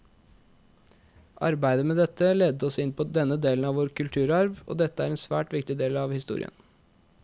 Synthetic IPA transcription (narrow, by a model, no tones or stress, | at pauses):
ʔɑ̰ɾbæɪd̪əmeːd̪ɛt̪ːəlɛːd̪əɔsɪnpʰɔd̪ɛnːəd̪eːlən̩ɑʋoːɾkʰʉlt̪ʰʉːɾɑɾʋʔo̰ːd̪ɛt̪ːəæɾɛnsʋæ̰ːʈʋɪkt̪ɪd̪eːlɑʋhɪst̪ṵːɾɪ̰ə̰n